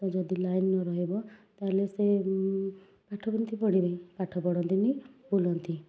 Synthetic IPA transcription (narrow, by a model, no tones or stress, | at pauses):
t̪ɔd͡ʒɔd̪ilajnnɔɾɔɦebɔt̪alese | paʈʰɔbɔnt̪ipɔɽ̃iɾeĩpaʈʰɔpɔɽɔnt̪inibolɔnt̪i